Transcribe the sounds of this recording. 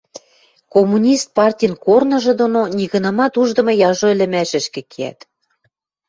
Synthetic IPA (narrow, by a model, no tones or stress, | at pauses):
komunʲist̪̚pɑrtʲijnkornɤ̆ʒɤ̆d̪ononʲiɣɤ̆nɤ̆mɑt̪uʒd̪ɤ̆mɤ̆jɑʒoĕlɘ̆mæʃɘ̆ʃkɘ̆kʰiæ̰t̪